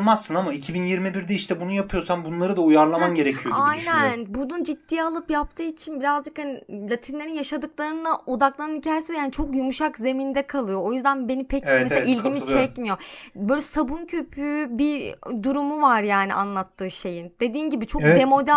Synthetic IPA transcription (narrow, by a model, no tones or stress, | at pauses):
masːɯnamaicʰibinjiɾmibiɾd̪ɛiʃt̪ʰɛbunujapʰɯjo̞ɾsanbunlˠaɾɯd̪aujaɾlˠamanɟe̞ɾecʰijoajnænbunund͡ʒit̪ːijalˠɯpjap̚t̪ʰɯːit͡ʃʰinbiɾazd͡ʒɯkhanilʲˠat̪ʰinlʲeɾinjaʃad̪ɯklˠaɾɯnd̪aʔo̞d̪aklˠanɯnicʰaːjesijaːnit͡ʃʰo̞kjumuʃakze̞mind̪ɛkʰalˠɯjo̞ojyzd̪ænbenipʰɛceseailʲɟimit͡ʃʰɛcmijo̞bø̞ːlʲɛsabuncʰø̞pʰybid̪uɾumuvaɾjaːnḭʔa̰nlˠat̪ʰːɯːʃe̞jind̪̥e̞d̪iːnɟibit͡ʃʰo̞kd̪emo̞d̪æ